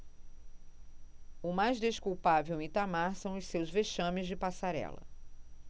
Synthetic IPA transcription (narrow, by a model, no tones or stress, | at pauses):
ʊmajzd̪eʃkuwpavewit̪amaɾsɐ̃w̃ʊssewzveʃɐ̃mɪzd͡ʒɪpasaɾɛ̰lɐ̰